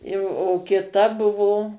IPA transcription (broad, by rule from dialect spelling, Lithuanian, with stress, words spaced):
jɛʊ oː kʲɪˈtɐ ˈbʊʋoː